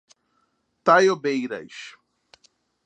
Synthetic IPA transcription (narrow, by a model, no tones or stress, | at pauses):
t̪ajobejɾɐ̰jʃ